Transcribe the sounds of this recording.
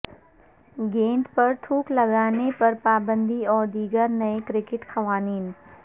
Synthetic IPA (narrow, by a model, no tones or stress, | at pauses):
ɡẽːɳʈpɐɾʈ̪ʰuːklɐɡaːnepɐɾpaːbə̃nd̪ʱiɔːɾd̪iːɡəɾnɐekɾɪkɪʈxɐʋaːniːn